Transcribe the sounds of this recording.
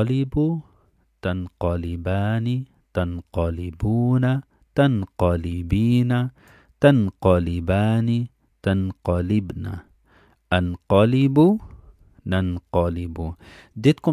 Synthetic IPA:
libu | t̪anqɑlibaːni | t̪anqɑlibuːna | t̪anqɑlibiːna | t̪anqɑlibaːni | t̪anqɑlɪbna̰ | ʔanqɑlibu | nanqɑlɪbud̪ɪt̪̚kʊ

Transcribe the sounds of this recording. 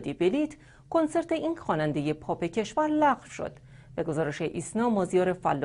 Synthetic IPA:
d̪ibeliːt̪ʰ | kʰo̞nseɾt̪ʰe̞ʔinxɒːnænd̪e̞je̞pʰɒːpʰe̞cʰe̞ʃvæɾlæʁfʃo̰d̪̥ | b̥e̞ɡo̞zɒːɾe̞ʃeʔiːsnɒːmɒːzijɒːɾe̞fælː

